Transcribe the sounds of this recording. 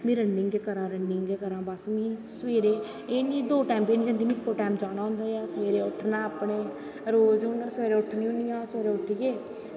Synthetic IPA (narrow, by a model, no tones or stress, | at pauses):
mĩːɾənːɪŋɡeːkəɾãːɾənːɪŋɡeːkəɾãːbəsmĩːsəʋeːɾeː | eːniːd̪oːʈaːmpeːnĩːd͡ʒə̃nd̪iːmiɪkːoːʈaːmd͡ʒaːɽ̃aːɦʊ̃ːnd̪aːjaːsʋeːɾeːʊʈʰnaːəpneː | ɾoːzʊnəɾsʋeːɾeːʊʈʰnĩːʊnijãːseːɾeːʊʈʰiɡeː